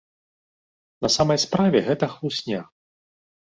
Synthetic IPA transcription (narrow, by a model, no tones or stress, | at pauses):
nɐsamɐjspɾavʲɛɣɛt̪ɐxlˠusʲnʲa